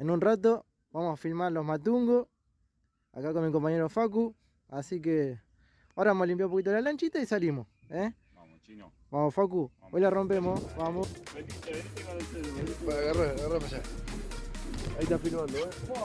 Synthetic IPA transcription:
enunrat̪̬o | βamosafilmaɾlohmat̪̬uŋɡo | a̰kakomikompaɲeɾofak̬u | asike | oɾaβamolimp̬jawũmpokit̪olalant͡ʃit̪aisalimo | e | βamofakuojlarompemoβamo | paaɣaraɾaɣarapaʃa | ait̪afilmãnd̪o

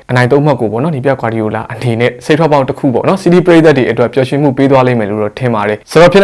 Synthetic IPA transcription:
ənãɪ̃õʊ̃makːobɔ̰nɔnipjakwaɾiola̰ʔənenɛ̰setʰwɔp̬ːãʊ̃təkʰṵpɔ̰nɔsidipəɹet̪at̬ːweʔətwɛʔpjɔʃɪ̃m̥ṵped̪̬walẽmɛloɾɔtʰɪ̃mbaɾɛsəɔpʰjɪ̃

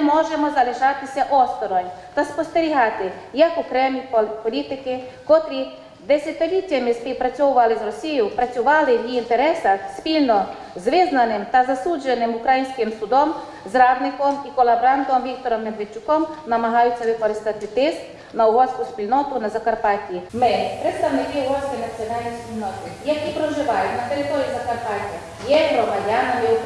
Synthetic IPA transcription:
mɔʒemɔzɐlˠɪʒɑt̪ɪsʲɐʔɔst̪ɔɾɔjt̪ɐspɔst̪eɾʲiɦɑt̪ɪ | jɐkʊkɾɛmʲipɔlʲit̪ɪkɪkɔt̪ɾʲi | d̪esʲɐt̪ʲɪlʲitʲːɐmɪspʲiwpɾɐt͡sʲɔwʊʋɐlˠɪzrɔsʲijʊpɾɐt͡sʲʊʋɑlˠɪjʲiint̪eɾɛsɐxspʲilʲnɔ | zʋɪznɐnɪmt̪ɐzɐsud͡ʒenɪmʊkɾɐjinʲsʲkɪmsʊd̪ɔm | zrɑwnɪkɔmikɔlˠɐbɾɑnt̪ɔmʋʲik̚t̪ɔɾɔmːed̪ʋet͡ʃːʊkɔmnɐmɐɦɑjʊt͡sʲːɐʋɪkɔɾɪst̪at̪ɪt̪ɪst̪ | nɐʊʋɔsʲkʊspʲilʲnɔt̪ʊnɐzɐkɐrpɑtʲiimɪpɾet̪st̪ɐwnɪkɪʊʋɔsʲkenɐt͡sʲiɔnɑlʲnʲisʲpʲilʲnɔt̪ɪjɐkʲipɾɔʒɪʋɑjʊtʲnɐt̪eɾɪt̪ɔɾʲijuzɐkɐrpɑtʲɐ | jɛɦɾɔmɐdʲanɔjʊ

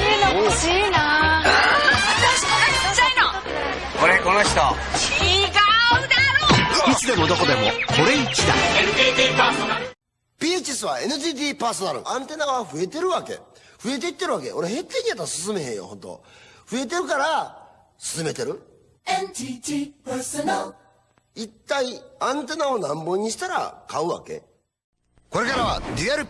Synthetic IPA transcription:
ɕiːna | aait͡ɕaino | koɾekonoɕi̥t̪o | iɡad̪aɾit͡sɨd̪e̞mo̞d̪o̞ko̞d̪e̞mo̞̰kʰo̞ɾe̞it͡ɕid̪a̰ | pʲiːet͡ɕisɨβae̞nɯ̟diːt̪̬iːpaːso̞naɾɯ̰ʔãnt̪e̞naɡaβaɸɯe̞t̪e̞ɾɯ̟βake̞̰ | ɸɯe̞t̪eit̪ːe̞ɾɯ̟βakeo̞ɾehe̞t̪ːeɲʲiat̪ːasɨs̬ɨme̞ɦẽ̞jo̰hõ̞nt̪o̰ɸɯ̟e̞t̪e̞ɾɯ̟kaɾa | sɨ̥sɨme̞t̪e̞ɾɯ̟ | nitipsnal | it̪ːaiãnt̪e̞nao̞nãmbo̞ɲ̟ːiɕi̥t̪aɾa̰kaɯ̟βa̰ke̞̰ | ko̞ɾe̞kaɾaβa̰d̪iaɾɯ̟

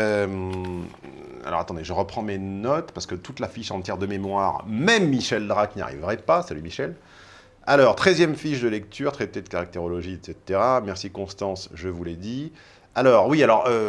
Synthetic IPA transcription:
øm | a̰lɔ̰ʁat̪ɑ̃d̪eʒəʁəpχɑ̃menɔt̪paʁsə̥kət̪ut̪lafiʃɑ̃t̪jɛʁd̪əmemwaʁmɛmːiʃɛld̪ʁakna̰ʁḭvʁɛpasalymiʃɛl | alɔʁt̪χɛzjɛmfiʃd̪əlɛk̚t̪yʁt̪χɛt̪ed̪əkaʁak̚t̪eʁɔlɔʒiet̪set̪eʁamɛʁsikɔ̃st̪ɑ̃sʒəvuled̪i | alɔːʁwialɔʁø

